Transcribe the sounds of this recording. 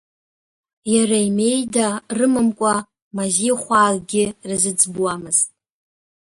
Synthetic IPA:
jaraime̞jdarɨmɨmkʷʼa | maziχʷaːrɡʲɪrɨzɨd͡zbuwamɨztʼ

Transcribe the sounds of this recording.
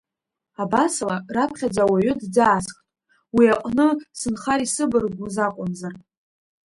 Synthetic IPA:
abasalarapʰχʲad͡zawaɥʊdd͡zaːskʼtʼ | wiaqʼnɨsɨnχaɾisɨbɨrɡʷuzaqʷʼʊnzar

